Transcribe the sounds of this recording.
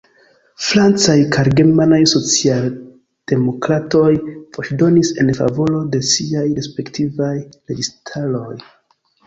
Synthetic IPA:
fɾant͡sajkʰaɾɡe̞ɾmanajso̞t͡sial | d̥e̞mo̞kɾato̞jpo̞t͡ʃdo̞nise̞̰nfa̰vo̞lo̞de̞siajɾe̞spe̞ktivajɾe̞ɡistʰalo̞j

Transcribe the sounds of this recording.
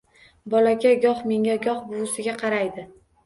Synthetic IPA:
bɒlaɡʲaɡʲɒχme̞ŋʲaɡʲɒχbʊwʊsɪɡʲaqʰɑɾajd̪ɪ

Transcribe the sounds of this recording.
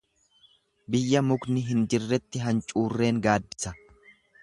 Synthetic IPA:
bɪjːɐmʊɡnɪɦɪnd͡ʒɪrːɛt̪ːɪɦɐnt͡ʃʼuːrːe̞ːŋɡaːbɪsɐ

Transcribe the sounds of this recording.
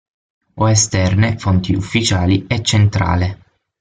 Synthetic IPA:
oest̪ɛrnefont̪iufːit͡ʃaːliɛt͡ʃːent̪ɾa̰ːle

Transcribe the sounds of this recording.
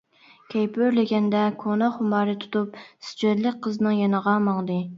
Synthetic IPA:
kʲʰɛjpøɾlɪɡʲɛnd̪ɛkʰonɑχʊmɑːɾɨt̪ʰu̥t̪upsɪ̥d͡ʒød̪lɪk̚ʲqʰəznɨŋjɑnəʁɑmɑŋd̪ɨ

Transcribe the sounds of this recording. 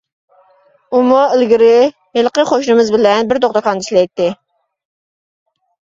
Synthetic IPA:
umuɪlɡʲɪɾɪ | helˠqəχoʃnɨmɨzbɪlɛnbɪɾd̪oʁt̪əkʰɑniʃʲlɛjt̪ːɪ

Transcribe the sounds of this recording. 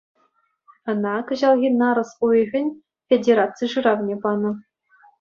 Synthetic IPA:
ɤ̆nɑkɤ̆ʑɑlˠɣʲinɑɾɤ̆suɣʲɘ̆nʲ | fʲedʲeɾɑt͡sɨjʂɯrɑvnʲebɑnɤ̆

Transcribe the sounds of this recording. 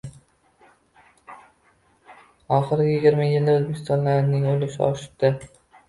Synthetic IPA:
ɒχɨɾɪɡʲajɪɡʲɪɾmajɪld̪aɵzbekʰʲɪ̥st̪ɒnlaɾnɪŋolɪʃɪɒ̰ʃɪ̥pd̪̥ɪ

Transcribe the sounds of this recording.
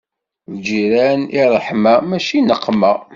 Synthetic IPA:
vd͡ʒiɾæniɾˤːəħmæmæʃinəqːmæ

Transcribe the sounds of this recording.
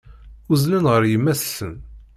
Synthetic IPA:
uzlənʁəɾjəmːæssən

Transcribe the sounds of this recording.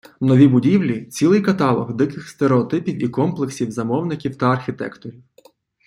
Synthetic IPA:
nɔʋʲibʊdʲiwlʲit͡sʲilˠɪjkɐt̪ɑlˠɔɣd̪ɪkɪxst̪eɾeɔt̪ɪpʲiwikɔmplˠeksʲiwzɐmɔwnɪkʲiwt̪ɐɐrxʲɪt̪ɛ̰kt̪ɔɾʲiw

